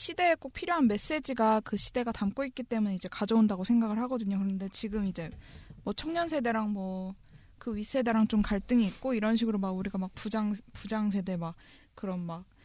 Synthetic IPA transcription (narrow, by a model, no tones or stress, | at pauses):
ɕʰide̞ːk͈ok̚pʰiɾjoɦanme̞s͈e̞d͡ʑiɡakɯɕʰid̥e̞ɡatamk͈oik̚k͈it͈e̞mune̞id͡ʑe̞kad͡ʑʌondaɡosʰe̞ŋɡaɡɯɭhaɡʌdɯɲokɯɾʌnde̞t͡ɕiɡɯmid͡ʑe̞mwʌt͡ɕʰʌŋɲʌnsʰe̞de̞ɾaŋmwʌ | kɯɥis͈ʰe̞de̞ɾaŋt͡ɕomkaɭt͈ɯŋiːk̚k͈oiɾʌnɕ̬ʰiɡɯɾomaɡuɾiɡamak̚pud͡ʑaŋpud͡ʑaŋsʰe̞de̞mak̚ | k͈ɯɾʌnmak̚